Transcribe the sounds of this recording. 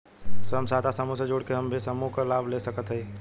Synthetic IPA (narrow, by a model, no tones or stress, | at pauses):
sɦəmsaːt̪ʰasəmused͡ʒoːɽkeɦəmbʱisəmũkalaːbʱlesəkət̪ɦəi